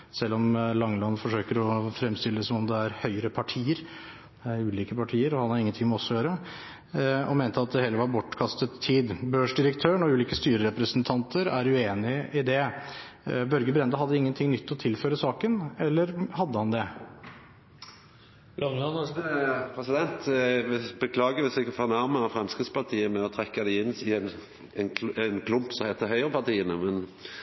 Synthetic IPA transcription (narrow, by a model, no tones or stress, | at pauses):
sɛlːɔmlɑŋlɑnːfɔʂøːkəɾɔfɾɛmst̪ɪləd̪ɛsɔmɔmd̪ɛæɾhœʏəɾəpʰɑʈʰiːəɾ | d̪ɛæɾʉːliːkəpʰɑʈʰiːəɾɔhɑnhɑɾɪŋːənt̪ʰɪŋmɔɔsːɔjøːɾə | ɔ̰meːnt̪əɑt̪̚d̪ɛheːlːəʋɑɾbɔʈːkʰɑst̪ət̪ʰːiːd̪bøːʂɖ̪ɪɾəkt̪ʰøːɳɔʉːliːkəst̪yːɾəɾɛpɾəsənt̪ʰɑnt̪ʰəɾæɾʉeːnɪɪd̪ɛ | bœɾɡəbɾɛnd̪əɦɑd̪ːəɪŋːənt̪ʰɪŋnʏt̪ʰːɔt̪ʰɪlføːɾəsɑːkənɛlːəɾhɑd̪ːəhɑnd̪ɛ | lɔnɑn | pʰɾɛsɪd̪ɛnt̪ | bəkʰlɑːɡəʋɪsɛɡfoːnæɾməɑfɾɑmskɾɪt̪spɑt̪ʰiːəmɛɔt̪ʰɾɛkːɑd̪ɛɪnsɪn | nɛnkʰlʊmpsɔmhɛt̪əɦœʏəɾəpʰɑʁt̪iːənəmɛn